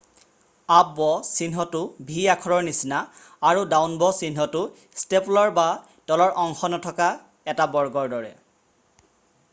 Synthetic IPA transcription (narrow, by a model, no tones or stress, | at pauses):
abɔsinɦɔtʊbʱiakʰɔɹɔɹnisinaː | ɹudawnbɔsinɦɔtʊ | steplɔɹba | tɔlɔɹʔɔŋxɔnɔtʰɔka | ɛtabɔɹɡɔɹdɔɹɛ